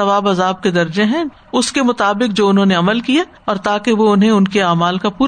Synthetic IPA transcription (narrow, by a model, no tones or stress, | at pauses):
ɐʋaːbɐzaːb̚ked̪ɐɾd͡ʒeɦɛ̃ | ʊskemʊt̪aːbɪk̚d͡ʒoːʊnɦõːneɐməlkija | ɔːɾt̪aːkeʋoʊnɦẽʊnkeaːmaːlkapuː